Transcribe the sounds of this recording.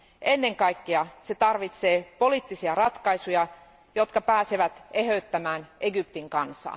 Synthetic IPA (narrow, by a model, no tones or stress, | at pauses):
ʔenːeŋkɑikːeɑset̪ɑrʋit̪seːpoliːt̪ːisiɑrɑt̪kɑisujɑ | jot̪kɑpæːseʋæt̪ehøyt̪ːæmæːnʔeɡypt̪iŋkɑnsɑ̰ː